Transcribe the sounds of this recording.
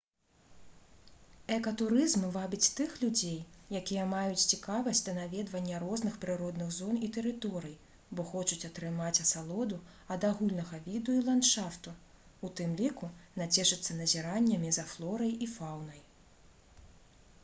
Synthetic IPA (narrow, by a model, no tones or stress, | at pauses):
ɛkɐt̪uɾɨzmɨvabʲit͡sʲt̪ɨxlʲud͡zʲejjakʲijɐmajut͡sʲt͡sʲikavɐsʲtʲd̪ɐnavʲɛd̪vɐnʲːɐɾɔznɨxpɾɨɾɔd̪nɨɣzɔnit̪ɛɾɨt̪ɔɾɨj | bɔxɔt͡ʃut͡sʲɐt̪ɾɨmat͡sʲɐsalˠɔd̪u | ɐd̪aɣulʲnɐɣɐvʲid̪uilˠant̪ʂaft̪u | ut̪ɨmlʲikunat͡sʲɛʂɨt̪sːɐnɐzʲiɾanʲːɐmʲizɐflˠɔɾɐjifawnɐj